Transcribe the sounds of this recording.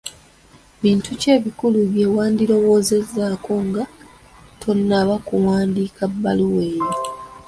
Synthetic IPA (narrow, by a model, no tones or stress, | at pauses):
βiːntuce̞ːβikuluβje̞ːwaːndiɾo̞wo̞ːze̞zːaːko̞ŋɡa | tʰo̞nːaβakuwaːndiːkabːaluwe̞ːɾo